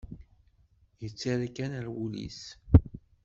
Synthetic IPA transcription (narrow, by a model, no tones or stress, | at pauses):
jət͡sːaɾækænæɾwulḭs